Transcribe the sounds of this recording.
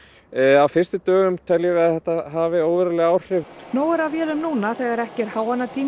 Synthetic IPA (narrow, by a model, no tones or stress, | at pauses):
awfɪrst̪ʏt̪œːɣʏmt̪ʰɛljɛvɪaðθɛht̪aɦaːvɪoːwvɛɾɛlɪɣaːwr̥ɪvnoːwɛɾavjɛːlʏmnuːnaθɛːɣaɾɛhcɛɾ̥haːwanːat̪ʰiː